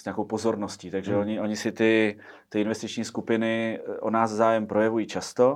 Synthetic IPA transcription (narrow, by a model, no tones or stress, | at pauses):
sɲaːko̞wpo̞zo̞ɾnosciːt̪aɡʒɛo̞ɲɪʔo̞ɲɪsɪt̪ɪ | t̪ɪɪnvɛst̪ɪt͡ʃɲiːskupɪnɪʔonaːsvzaːjɛmpɾo̞jɛvujiːt͡ʃast̪o̞